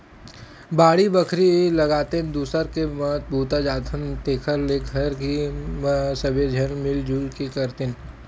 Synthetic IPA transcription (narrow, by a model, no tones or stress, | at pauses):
baːɽibɐkʰɾilɐɡaːt̪ed̪uːsəɾkemɐt̪̚bʱuːt̪ad͡ʒaːt̪ʰənt̪eːkʰəɾleːɡʱɐɾkimsɐbed͡ʒʱɐɾmɪld͡ʒuːlkekəɾt̪en